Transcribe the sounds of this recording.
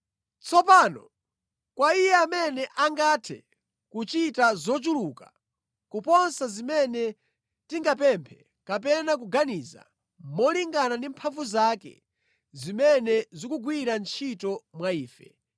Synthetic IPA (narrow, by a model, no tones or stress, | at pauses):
t͡sʰɔpaːnɔ | kwaijɛamɛnɛʔaŋɡatʰɛ̰ | kut͡ʃitazɔt͡ʃuluːka | kupɔnsazimɛnɛ | tiŋɡap̬ɛmpʰɛ | kap̬ɛnak̬uɡaniːza̰ | mɔliŋɡanandimpʰaɱvuzakɛ̰ | zimɛnɛzikuɡwiɾant͡ʃʰitɔmwaiːfɛ